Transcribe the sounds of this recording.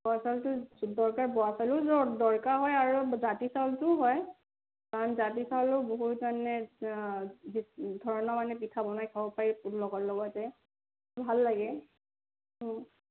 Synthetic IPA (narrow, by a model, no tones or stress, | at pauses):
bɔasaltʊdɔɹkaɹbɔasalʊzɔdɔɹkaɹɦɔjaɹuzatisaltʊɦɔj | kaɹɔnzat̬isalʊboɦutzanɛ | zidʱɔɹɔnɔmanɛpitʰabɔnajkʰabɔpaɹipunlɔɡɔtlɔɡɔtɛ | bʱalːaɡɛ | ɦɔ